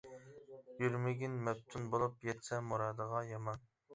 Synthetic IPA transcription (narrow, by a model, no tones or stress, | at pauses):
jyɾmɪɡʲinmɛp̚t̪ʰunbolˠupjɛt̪sɛmuɾɑːd̪əʁɑjɑmɑn